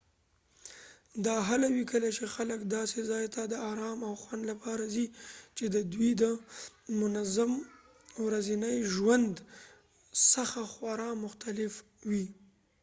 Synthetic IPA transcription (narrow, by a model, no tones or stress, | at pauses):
d̪ɑɦalawikəlat͡ʃexaləkd̪ɑsezɑjt̪ad̪əɑɾɑmawxwand̪lapɑɾazit͡ʃed̪əd̪wid̪əmʊnazam | wɾazinəjʒwand̪ | saxaxwaɾɑmʊxt̪alɪf | wi